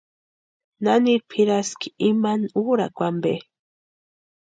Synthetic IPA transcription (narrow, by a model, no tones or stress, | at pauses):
naniɾpʰiɾaski̥imanuɾakʷambe